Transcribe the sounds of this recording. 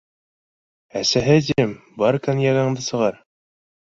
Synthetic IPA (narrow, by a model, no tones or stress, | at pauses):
æsæɦɘd̪ʲiɘmbɑɾkænjɑɡɑɴd̪ɤsɤ̆ʁɑɾ